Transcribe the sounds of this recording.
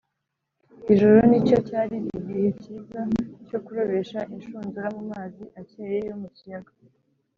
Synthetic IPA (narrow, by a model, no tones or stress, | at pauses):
iʒoɾonico̞caːɾiɡihe̞cizaco̞kuɾo̞βe̞ʃaʔinʃuːnzuɾamumaːziʔaceːje̞jomucijaɡa